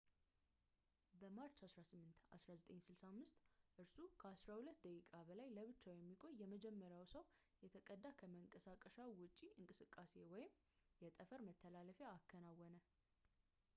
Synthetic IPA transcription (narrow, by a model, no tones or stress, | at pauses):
bəmat͡ʃːasɾasɨmːɨnt̪a̰sɾazət̪ʼəɲsɨlsamːɨst̪ʼʔɨɾsukʰəasɾahulət̪ːd̪əkʼikʼabəlajləβɨt͡ʃːawjɛmːikʼo̞ɲjɛməd͡ʒɛmːəɾjawsəw | jɛt̪ʰəkʼəd̪ːakʰəməŋkʼəsakʼəʃawʊt͡ʃʼiɨŋkʼɨsɨkʼːase̞wɔjɪm | jɛt̪ʼəfəɾmət̪ʰːəlaləfeakʰːənawːɔnə